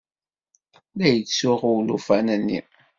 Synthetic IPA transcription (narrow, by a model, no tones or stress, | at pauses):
læjət͡sːsuʁuwlufænənːḭ